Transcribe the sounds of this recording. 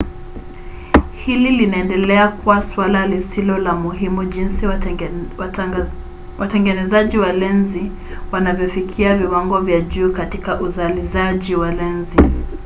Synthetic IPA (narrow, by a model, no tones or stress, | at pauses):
hililinaɛndɛlɛakuwaswalalisilɔlamuɦimuʄinsi | watɛŋɡɛnɛzaʄiwalɛnzi | wanavjɔfikʰiaviwaŋɡɔvjaʄuːkatikaʔuzalizaʄiwalɛnzi